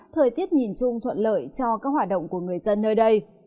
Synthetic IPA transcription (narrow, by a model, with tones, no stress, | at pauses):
t̪ʰəː˨˩jt̪i˦˥ət̚ɲi˨˩nt͡ɕʊ˧ŋ͡mt̪ʰwə̰˧˨nlə̰ː˧˨jt͡ɕɔ˧kaː˦˥k̚hwaː˨˩t̚ɗə̰˧˨wŋ͡mku˧˩əŋɨ˨˩əjzə˧nːəː˧jɗə˧j